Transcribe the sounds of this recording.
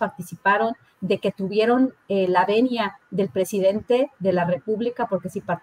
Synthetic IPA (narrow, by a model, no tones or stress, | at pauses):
paɾt̪isipaɾo̞n | d̪e̞ke̞t̪uβje̞ɾo̞nelaβe̞njaðe̞lpɾe̞siðe̞nt̪e̞ðe̞lare̞puβlikapo̞ɾke̞sipaɾt̪